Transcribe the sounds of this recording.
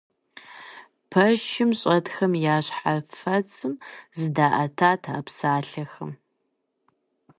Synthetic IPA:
pʰɐʃɪmɕʼɐtxɐmjaːɕħafɐt͡sʼɨmzɨdaːʔɐtʰaːtʰaɐpsaːɬɐxɐm

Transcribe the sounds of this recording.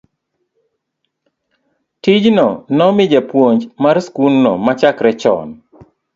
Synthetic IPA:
tid͡ʒnɔnɔmɪd͡ʒɛpwoɲd͡ʒmaɾskulnɔ̰mat͡ʃakɾɛt͡ʃɔ̰n

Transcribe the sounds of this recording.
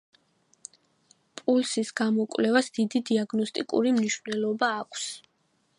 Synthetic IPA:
pʼulsisɡ̥amɔkʼwvlɛvasd̪̥id̪id̪iaɡnɔst̪ʼikʼṵɾimniʃvnɛlˠɔbaːkʷʰs

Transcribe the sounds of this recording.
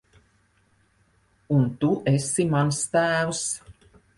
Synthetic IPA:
unt̪uʔɛsimanst̪æːvs

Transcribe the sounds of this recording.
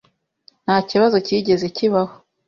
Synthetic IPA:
n̥haːciβazo̞ciːɟe̞ze̞ciβaho

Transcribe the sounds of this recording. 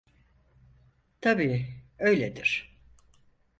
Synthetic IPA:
t̪ʰabiːø̞jlʲed̪iɾ̥

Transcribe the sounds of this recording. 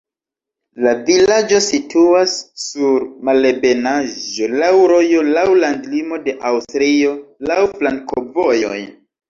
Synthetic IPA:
lavilad͡ʒo̞sitʰuasːuɾmale̞be̞naʒo̞lawɾo̞jo̞lawlandlimo̞de̞ʔawstɾio̞lawplaŋkʰovo̞jo̞̰j

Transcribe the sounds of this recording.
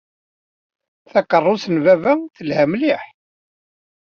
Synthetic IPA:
θækərˤːʊsənvævæθəlhæmliħ

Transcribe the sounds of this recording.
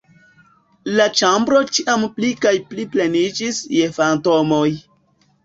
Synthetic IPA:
lat͡ʃambɾo̞t͡ʃiʔamplikajpliplenid͡ʒisjefantomoj

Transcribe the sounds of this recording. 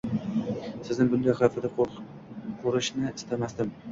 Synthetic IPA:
sɪznɪbʊnd̪ajχafɪd̪a | qʰoɾɪʃnɪɪ̥st̪amasd̪ɪm

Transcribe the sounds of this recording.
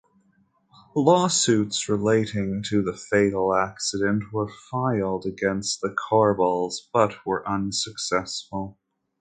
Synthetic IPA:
lɔsʉtsɹɪleɪɾɪ̃ŋtʰɨðəfeɪɾl̩ˠæksɨɾɨ̃nʔwə˞faɪlˠdɨɡɛ̃nst̪̚ðɨkʰɑɹbɔlˠzb̥ʌt̚wə˞ʔʌ̃nsɨksɛsfl̩ˠ

